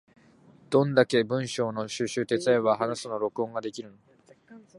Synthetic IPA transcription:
d̪̥õ̞nd̪ake̞bɯ̟̃ɰ̃ɕo̞ːno̞ɕɨɕɨːt̪e̞t͡sɨaeβaɦanasɨno̞ɾo̞kɯ̟õ̞ŋɡad̪e̞kʲiɾɯ̟no

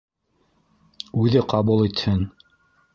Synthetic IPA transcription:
ʉðɘqɑβulˠit̪hɘn

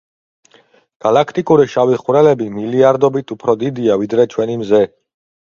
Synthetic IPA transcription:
ɡ̥alakʰt̪ʼikʼuɾiʃaviχɾɛlɛbimiliaɾd̪ɔbit̪ʰupʰɾɔd̪id̪iavid̪ɾɛt͡ʃʰwɛnimzɛ

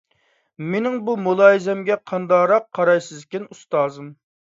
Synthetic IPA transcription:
menɪŋbumulˠɑːizɛmɡʲɛqʰɑnd̪ɑɾɑqʰːɑɾɑjsɨzkʲɪnust̪ɑːzɨm

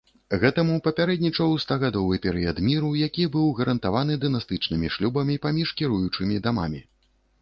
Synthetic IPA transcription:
ɣɛt̪ɐmupɐpʲaɾɛd̪nʲit͡ʂɐwst̪aɣad̪ɔvɨpʲɛɾɨjɐd̪mʲiɾujakʲibɨwɣɐɾɐnt̪avanɨd̪ɨnast̪ɨt͡ʂnɨmʲiʂlʲubɐmʲipamʲiʂkʲiɾujut͡ʂɨmʲid̪ama̰mʲi

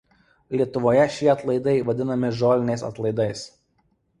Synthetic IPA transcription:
lʲiɛt̪ʊʋoːjɛʃʲiɛɐt̪lˠɐɪd̪ɐɪʋɐd̪ʲɪnɐmʲɪʒoːlʲɪnʲɛɪsɐ̰t̪lˠɐɪd̪ɐɪs

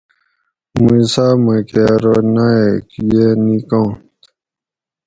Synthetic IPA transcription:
muusamɐkeɾonaekjenikõt̪

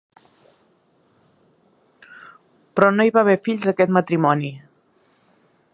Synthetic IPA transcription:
pɾɔnoiβaβ̞efiʎzəkɛt̪mət̪ɾimɔni

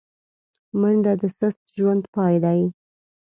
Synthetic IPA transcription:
məɳɖad̪əsəxt̪ʒwand̪pɑjd̪aj

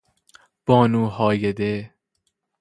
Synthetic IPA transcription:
b̥ɒːnuːɦɒːjed̪e

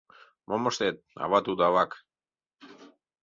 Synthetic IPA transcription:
mʔomoʃt̪et̪̚a̰βat̪ud̪aβak

